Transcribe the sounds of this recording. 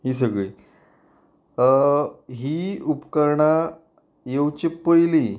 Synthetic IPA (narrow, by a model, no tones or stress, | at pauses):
ɦiːs̬əɡɭiː | ɦiːupkəɾɳa | jewt͡ɕepəjli